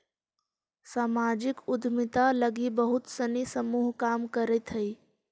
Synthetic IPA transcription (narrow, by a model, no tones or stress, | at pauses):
saːmaːd͡ʒɪkʊd̪ʱmɪt̪aləɡibəɦʊt̪sənisəmuːɦkaːmkəɾɛt̪ɦəi